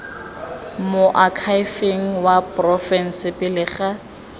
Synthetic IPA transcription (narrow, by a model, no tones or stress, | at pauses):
mʊʔakʰaɪfeŋ̩wapʼrɔfɛn̩sɪpɪlɪχa